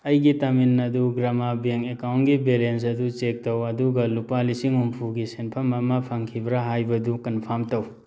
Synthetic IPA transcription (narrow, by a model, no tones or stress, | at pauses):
ɐjɡitɐminːɐduɡɾamabeŋekawntɡibelens̬ɐdut͡ʃek̚tɐwɐduɡɐlupalisiŋumpʰuɡisenpʰɐmɐmɐpʰaŋkʰibɾaɦajbɐdukɐnpʰamtɐw